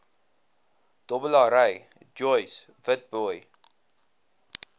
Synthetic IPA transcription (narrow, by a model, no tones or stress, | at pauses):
d̥ɔbəlɑɾəj | d͡ʒɔjs | vət̚bɔj